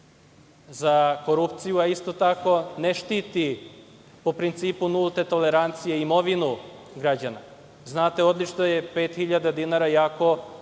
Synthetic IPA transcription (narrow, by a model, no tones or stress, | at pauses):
zako̞ɾupt̪sijuaist̪o̞t̪ako̞neʃt̪iːt̪i | popɾint̪siːpunulˠt̪e̞t̪o̞leɾant̪sijeimo̞ʋinu | ɡɾad͡ʑana̰ | znaːt̪e̞o̞d̪lit͡ʃnojepe̞ːt̪xiʎad̪ad̪inaɾajaːko̞